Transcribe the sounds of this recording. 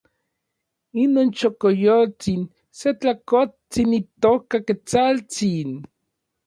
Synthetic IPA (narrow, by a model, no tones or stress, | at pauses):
inoːnt͡ʃokojot͡sin | set͡ɬakot͡sinit̪okaket͡salt͡sin